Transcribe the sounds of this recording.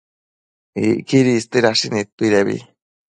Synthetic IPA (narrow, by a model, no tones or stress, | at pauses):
ikiɾist̪eɾaʃinĩt̪uiɾeβḭ